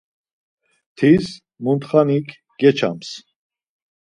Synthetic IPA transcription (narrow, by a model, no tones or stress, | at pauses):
t̪ʰis | munt̪χanikʰ | ɡ̥ɛt͡ʃʰa̰ms